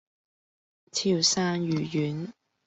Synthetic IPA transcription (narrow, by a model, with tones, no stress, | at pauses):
t͡sʰiː˨˩wsaː˥ŋjyː˨˩jyː˨˥n